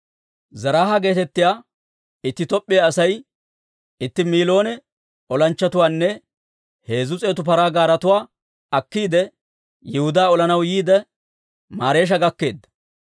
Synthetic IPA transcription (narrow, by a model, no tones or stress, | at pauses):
zɐɾaːɦaɡe̞ːt̪ɛt̪ːɪjaː | ɪt̪ːɪt̪ɔpʼːɪjaɐsɐj | ɪt̪ːɪmiːlo̞ːnɛ | ɔlɐnt͡ʃːɐt̪ʊwaːnːɛ | he̞ːzʊt͡sʼeːt̪ʊpɐɾaːɡaːɾɐt̪ʊwaː | ɐkːiːd̪ɛ | jɪhʊd̪aːɔlɐnɐwjiːd̪ɛ | maːɾe̞ːʃ̬ɐɡɐkːe̞ːd̪ːɐ̥